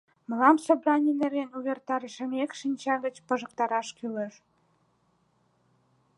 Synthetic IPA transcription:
məlɑmsobrɑnʲineɾenuβert̪ɑɾəʃə̆mekʃinʲt͡ɕɑɣə̆t͡ɕpə̆ʒə̆k̚t̪ɑɾɑʃkyleʃ

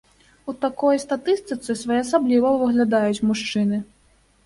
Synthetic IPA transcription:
ut̪akɔjst̪at̪ɨst̪ɨt̪sɨsvajɛasablʲivɐvɨɣlʲad̪ajut͡sʲmuʂt͡ʂɨnɨ

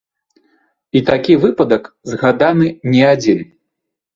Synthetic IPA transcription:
it̪akʲivɨpɐd̪ɐk | zɣad̪anɨnʲɛad͡zʲin

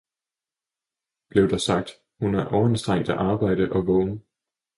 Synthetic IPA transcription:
b̥le̝ʊd̥ɑ̈sɑ̈ɡ̥̚d̥ | hunæɐʔɒʊɐensd̥ʁeŋ̰d̥æʔɑ̈ːb̥ɑ̈ɪ̰ɾ̥əʔɒ̽ʋɔːnə

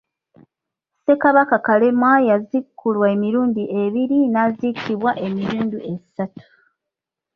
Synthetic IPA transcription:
se̞kaβakakale̞mwajazikʰːulwaemiɾuːndiʔe̞βiɾinaːzikʰiβwaʔe̞miɾuːndie̞satu̥

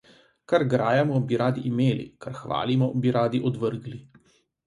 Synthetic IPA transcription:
kaɾɡɾaːjamɔbiɾaːd̪iʔimeːlḭkaɾxʋa̰ːlimɔbiɾaːd̪iʔɔd̪ʋəɾɡli

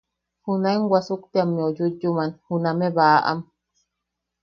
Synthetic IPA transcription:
hunaeŋwasukt̪eamːiojud͡ʒumanhunameβaʔa̰m

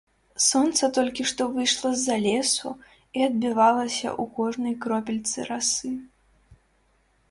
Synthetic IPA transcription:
sɔnt̪sɐt̪ɔlʲkʲiʂt̪ɔvɨjʂlˠɐzːalʲɛsu | iɐd̪̚bʲɨvalˠɐsʲɐ̰ʔukɔʐnɐjkɾɔpʲilʲt̪sɨ̰ɾasɨ

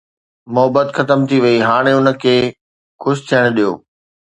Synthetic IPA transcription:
mʊɦəbət̪xɐt̪əmt̪ʰiʋɐiɦaːɽ̃eʊnə̆kʰeː | kʊst̪ʰijəɽ̃ɗijo̰ː

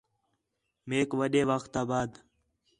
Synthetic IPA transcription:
meːkʋəɗeːʋəxt̪aːbaːd̪

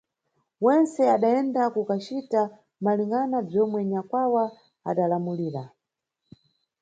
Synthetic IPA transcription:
wɛnsɛaɗaɛndakukat͡ʃita | maliŋɡanab͡ʐɔmwɛɲakwawa | a̰ɗalamuliːɾa

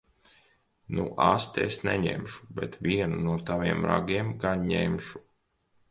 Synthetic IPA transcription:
nṵʔast̪esnɛɲɛ̰mʃu̥bɛ̰t̪vʲiɛnunuɔt̪avʲiɛmɾa̰ɡiɛmɡanɲemʃu̥

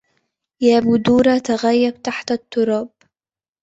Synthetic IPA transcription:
jaːbʊd̪uːɾɑt̪aɣajːab̚t̪aħt̪at̪ːʊɾˤɑːb̚

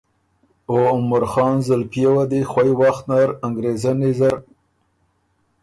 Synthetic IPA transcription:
oʊmaɾxɑːnzalpjewad̪ixwajwaxt̪naɾaŋɡɾezanizaɾ

